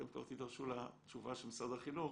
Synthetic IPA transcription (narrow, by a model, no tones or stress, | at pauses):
emkoʁt̪id̪aʁʃulat̪t͡ʃuvaʃelmsad̪aχinuχ